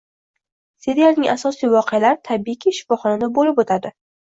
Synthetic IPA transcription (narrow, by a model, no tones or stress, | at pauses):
seɾialnɪŋʔasɒsijvɒqʰɨjalaɾɪt̪ʰabikʲʰiʃɪ̥fɒχɒnad̪abolɪpot̪ʰad̪ɪ